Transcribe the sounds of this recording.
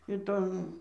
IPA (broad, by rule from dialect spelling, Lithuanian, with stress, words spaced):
ɪˈtoːn